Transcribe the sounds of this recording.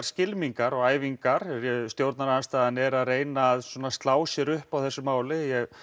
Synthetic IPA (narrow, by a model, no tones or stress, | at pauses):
ɾ̥scɪlmiŋkaɾɔɣaːjviŋkaɾjɛst̪jowɾt̪naɾanst̪aːðanɛɾaðrejnaːðswɔːnast̪laːwsjɛɾʏhpawθɛsːʏmaːwlɪjɛɣ